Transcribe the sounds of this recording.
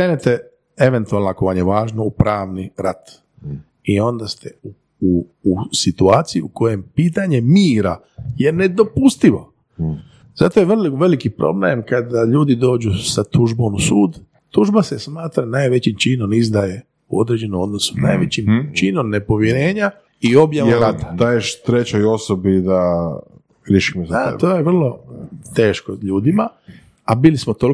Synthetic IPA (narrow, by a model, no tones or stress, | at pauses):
kɾeːnet̪e | e̞ʋe̞nt̪uaːlnakoʋanjeʋaːʒnoupɾaːʋniɾat̪ | io̞nd̪ast̪eu | uːsit̪uaːt̪sijiuko̞je̞mpiːt̪aɲe̞miːɾa | je̞ne̞d̪o̞pust̪iʋo̰ | zat̪ojeʋrliʋe̞likipɾo̰blḛmkad̪aʎuːd̪id̪o̞ːd͡ʒusat̪uʒbomusuːd̪ | t̪uʒbasesmaːt̪ɾanajʋe̞t͡ɕimt͡ʃinomizd̪aje̞ | uo̰d̪ɾe̞d͡ʑe̞nomo̞d̪no̞su̥na̰ːjʋet͡ɕimt͡ʃinomne̞po̞ʋjeɾe̞ːɲa | io̞bjaeɾat̪ḁd̪ajeʃt̪ɾet͡ɕojo̞sobid̪a | ɾjeʃi̥mozaa̰t̪ojeʋr̩lˠo̞t̪e̞ːʃkoʎuːd̪ima | abilismot̪ol